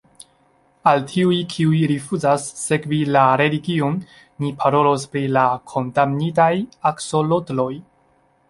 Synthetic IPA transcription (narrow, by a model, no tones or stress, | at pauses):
altʰiujkʰiujɾifuzasːe̞kvilaɾe̞liɡionː | ipʰaɾo̞lo̞spɾilakʰo̞ndamnitajakso̞lotlo̞j